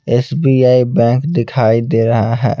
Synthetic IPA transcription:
ɛːsbiːaːibɛ̃ːkd̪ɪkʰaːid̪eːɾɐɦaɦɛ̰ː

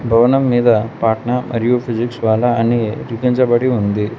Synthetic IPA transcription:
bʱɐʋɐnɐmːiːd̪ɐpaːʈnɐmʔɐ̰ɾijupʰid͡ʒiksʋaːlɐɐniɾikiɲt͡ʃɐbɐɽiund̪i

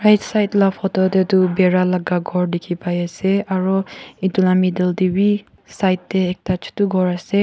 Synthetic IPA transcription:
ɹajtsajtlapʰɔtɔtɛtubɛɹalaɡaɡʱɔɹdikʰipajasɛaɹɔitulamidɛldibi | sajtːɛːk̚tat͡ʃʰtuɡʱɔɹasɛ

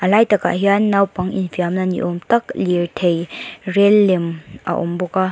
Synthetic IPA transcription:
ɐlajtɐka̰ɦianːawpɐŋḭnfiamnanḭʔɔmtɐk̚liɾtʰejrelːemʔa̰ʔɔ̰mbɔka

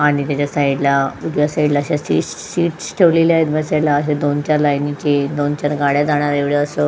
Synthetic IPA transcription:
aɽ̃it̪jat͡ɕasajiɽlaud̪jasaiɖlaːɕasiʈsːiːʈsʈʰeʋlelaɦet̪bəsalaəɕed̪ont͡ɕaɾlajnit͡ɕed̪ont͡ɕaɾɡaɽjad͡z̪aɽ̃aɾeʋɭjeəsə

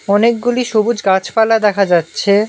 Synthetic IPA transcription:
ɔnek̚ɡuliʃobud͡ʑɡat͡ɕpalad̪ɛkʰad͡ʑatːɕʰe

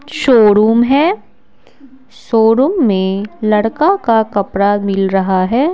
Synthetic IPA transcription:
ʃoːɾuːmɦɛː | ʃoːɾuːmːẽlɐɽkakakɐpɾamɪlɾɐɦaɦɛː

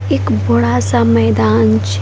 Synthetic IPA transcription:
eːkbɐɽasamɛːd̪aːnt͡ʃʰ

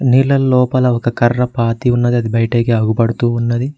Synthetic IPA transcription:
nilɐlːɔːpɐlɐɔkɐkɐɾːɐpaːt̪iunːɐd̪iɐd̪ibɐjɐʈeːɡeɐɡupɐɽɐt̪uːnːɐd̪i

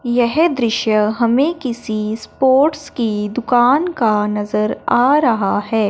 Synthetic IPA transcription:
jɛɦd̪ɾɪʃjəɦɐmẽkɪsispoːɾʈskid̪ʊkaːnkanɐzəɾaːɾɐɦahɛː

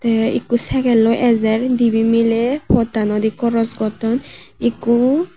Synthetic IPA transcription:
t̪ɛḭkusɛkɛlɔjʔɛzɛɹd̪ibimilɛpʰɔtanɔd̪ikɔɾɔzɡɔtɔn | iku

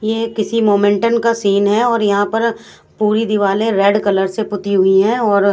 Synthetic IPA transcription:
jeːkɪsimoːmɛ̃ɳʈənkasiːnɦɛɔːɾjɐɦãpɐɾ | puːɾid̪ɪʋaːleɾɛːɖkɐləɾsepʊt̪iɦʊiɦɛ̃ɔːɾ

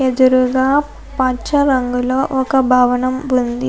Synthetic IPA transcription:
ed̪uɾuɡaː | pɐt͡ʃɐɾɐŋɡuloːʔɔkɐbʱaːʋɐnɐmund̪i

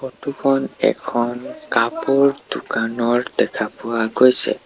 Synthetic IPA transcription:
xɔtukʰɔnɛ̰kʰɔnkapuɹdukanɔɹdɛkʰapʊwaɡojsɛ̰

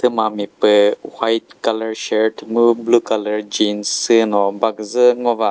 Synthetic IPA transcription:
t̪ɯmamipɯwajt̚kalaɹʃeɾʈmublukaləɹd͡ʒinsɯnɔbaɡzɯŋɔva

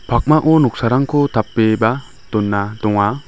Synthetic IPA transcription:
pʰak̚maʔɔnɔk̚saɾaŋkʰɔt̪ʰap̚ːeba | d̪̥ɔnːad̪ɔŋa

